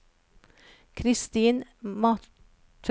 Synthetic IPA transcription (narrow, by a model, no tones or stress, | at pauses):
kʰɾɪst̪iːnmɑ | t̪ʰ